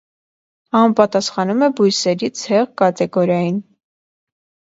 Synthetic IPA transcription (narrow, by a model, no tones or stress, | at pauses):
ɑmpɑt̪ɑsχɑnumɛbujsɛɾit͡sʰhɛʁkɑt̪ɛɡɔɾjɑjin